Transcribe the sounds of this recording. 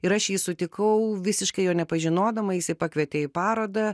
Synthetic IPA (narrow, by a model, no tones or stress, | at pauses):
ɪɾɐʃjiːsʊt̪ʲɪkɐʊʋʲɪsʲɪʃkɐɪjoːnʲɛpɐʒʲɪnoːd̪ɐmɐjɪsɐɪpɐkʋʲiɛt̪ʲeːjpɑːɾoːd̪ɐ